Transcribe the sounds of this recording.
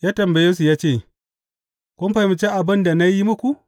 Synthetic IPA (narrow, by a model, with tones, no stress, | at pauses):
jaː˦tɐ˨mbɐ˨je˦s̬u˨jaː˦t͡ʃeː˦˨ | kʷʊ˦m˦ɸa˨mi˨t͡ʃe˦ʔa˨bɐ˦nda˨na˦ji˦mʊ˦kʷu˨